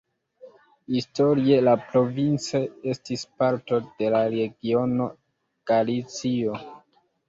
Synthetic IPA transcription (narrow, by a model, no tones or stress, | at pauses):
histo̞ɾie̞lapɾo̞vint͡see̞stispaɾto̞d̥e̞laɾe̞ɡio̞no̞ | ɡ̥alit͡sio̞